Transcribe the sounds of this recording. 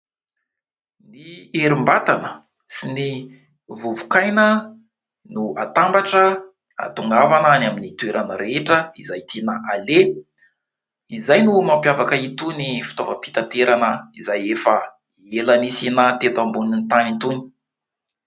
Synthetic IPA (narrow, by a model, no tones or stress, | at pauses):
nieɾimbat̪anə | sini | vuvu̥kajnə | nuat̪ambaʈ͡ʂə | a̰t̪uŋɡavananaminit̪ueɾʔanəɾeʈ͡ʂəizajt̪ʰinaʔale | izajnumampjavakəit̪unifi̥t̪ovəpi̥t̪ant̪eɾanəizajefə | elanisinat̪et̪ambunint̪anint̪uni̥